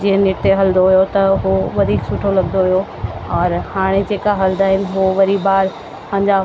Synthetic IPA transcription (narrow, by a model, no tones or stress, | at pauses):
d͡ʑiɦə̃nɪʈeɦɐld̪oɦujot̪ɐɦuʋɐd̪ʱiːksʊʈʰolɐɡnd̪oɦijo | ɔːɾhaːɽ̃ed͡ʑeːkaɦɐld̪aːɦɪnɪ̆ɦoʋɐɾibaːɾ | pãːɲd͡ʑa